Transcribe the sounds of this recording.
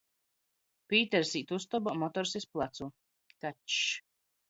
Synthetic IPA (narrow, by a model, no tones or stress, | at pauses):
piːt̪ɛɾsiːt̪ust̪ɔbamɔt̪ɔɾsisplˠat̪su | kaʃ